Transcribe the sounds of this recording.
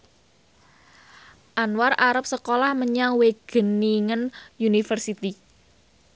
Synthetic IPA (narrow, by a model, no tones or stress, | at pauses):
ʔanwarʔaɾəp̚səkolahməɲaŋweɡ̥ə̤niŋənjunifərsit̪i